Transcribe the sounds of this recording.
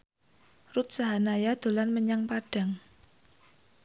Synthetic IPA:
rut̪̚saɦanajad̪̥o̤lanməɲaŋpaɖ̥a̤ŋ

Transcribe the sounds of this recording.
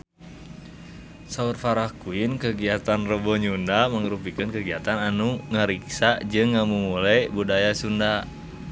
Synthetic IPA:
saurfaɾahkuinkəɡiat̪anrəbɔɲundaməŋəɾupikənkəɡiat̪ananuŋəɾiksaʔd͡ʒɨŋːamumulajbudajasunda

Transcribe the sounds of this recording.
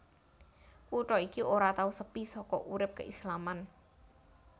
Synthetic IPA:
kuʈɔikioɾat̪ausəpisɔkɔʔuɾɪp̚kə̰islaman

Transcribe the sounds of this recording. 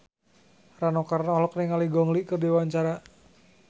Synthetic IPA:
ranɔkarnaɔlɔk̚niŋaliɡɔŋliʔkərdiwaɲt͡ʃaɾa

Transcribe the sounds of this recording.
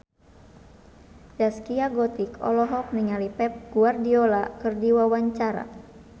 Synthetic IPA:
d͡ʒaskiaɡɔt̪ikɔ̰lɔɦɔk̚niŋalipɛp̚ɡ̥uardiolakɨrdiwawaɲt͡ʃaɾa̰

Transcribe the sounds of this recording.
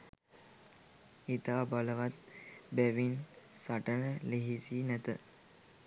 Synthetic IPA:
it̪aʋabaləʋat̪̚bæʋinsaʈənəleɦisinæt̪ə

